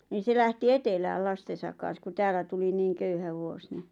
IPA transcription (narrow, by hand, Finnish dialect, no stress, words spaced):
niːn̞ se læhti etelæːl lɑstesɑk kɑn̞s ku tæːlˑæ tuli niːŋ køyhæ ʋuos ni